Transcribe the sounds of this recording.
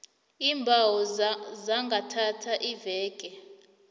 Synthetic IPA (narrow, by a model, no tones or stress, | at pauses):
iːmbʱawɔzaŋɡʱatʰatʰaʔivɛːkʼɛ